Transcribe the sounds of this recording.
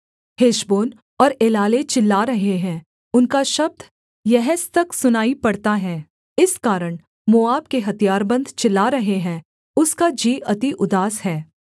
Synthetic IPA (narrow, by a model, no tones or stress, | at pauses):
heːʃboːn | ɔːɾeːlaːlet͡ʃɪlːaɾɐɦeɦɛ̃ː | ʊnkaʃɐb̚d̪ʱ | jɛɦɛst̪ɐksʊnaːipɐɽt̪aɦɛː | ɪskaːɾəɽ̃ | moaːbkeɦɐt̪ijaːɾbɐ̃nd̪ʱt͡ʃɪlːaɾɐɦeɦɛ̃ | ʊskad͡ʒiːʔɐt̪iʔʊd̪aːsɦɛː